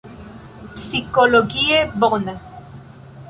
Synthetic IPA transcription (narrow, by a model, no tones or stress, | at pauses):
psikoloɣieboʁna